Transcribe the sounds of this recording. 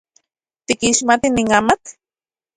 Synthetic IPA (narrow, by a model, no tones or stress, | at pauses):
t̪ikiʃmat̪iniŋamat̪